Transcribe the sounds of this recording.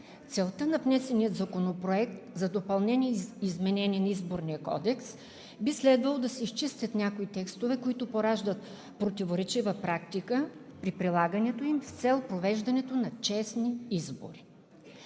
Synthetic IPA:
t̪sɛlˠt̪ənɐvnɛsɛnijət̪zɐkonopɾoɛk̚t̪zɐd̪opɐlˠnɛniɛizmɛnɛniɛnɐizboɾniəkɔ̰d̪ɛks | bislɛd̪vɐlˠod̪ɐsɛiʃt͡ʃist̪ʲət̪nʲjakoit̪ɛkst̪ovɛkoit̪ʊpoɾaʒd̪ət̪ | pɾot̪ivoɾɛt͡ʃivəpɾakt̪ikəpɾipɾilˠaɡənɛt̪oimft̪sɛlˠpɾovɛʒd̪ɐnɛt̪onɐt͡ʃɛsniizbo̰ɾi

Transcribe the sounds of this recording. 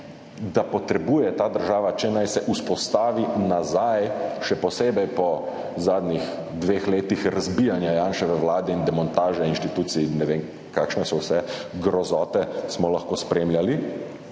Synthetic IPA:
d̪apɔt̪ɾɛbuːjɛt̪aːd̪əɾʒaːʋat͡ʃɛnajsɛʔuspɔst̪aːʋinazajʃɛpɔseːbɛjpɔ | zaːd̪nix | d̪ʋeːxleːt̪ixɾazbijanjajaːnʃɛʋɛwlaːd̪ɛind̪ɛmɔnt̪aːʒɛinʃt̪it̪uːt̪sinːɛʋeːŋ | kakʃnɛsɔwsɛɡɾɔzɔːt̪ɛsmɔlaxkoːspɾeːmljali

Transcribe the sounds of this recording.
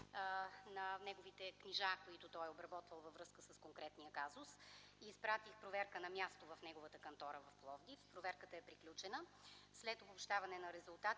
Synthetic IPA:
nɐnɛɡovit̪ɛkniʒakoit̪ʊt̪ɔjɛobɾɐbɔt̪vəlˠvɐvɾɤskəsəskoŋkɾɛt̪nijəkazʊsiːspɾat̪ixpɾovɛɾkənɐmʲjast̪ovɐfnɛɡovət̪əkɐnt̪ɔɾəvɐfplˠɔvd̪ifpɾovɛɾkət̪əɛpɾiklʲut͡ʃɛnəslɛt̪obopʃt̪avɐnɛnɐɾɛzʊlˠt̪at̪

